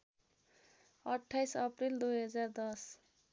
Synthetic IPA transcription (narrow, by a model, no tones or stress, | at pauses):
ʌʈʰːajsʌprild̪ujɦʌd͡zard̪ʌs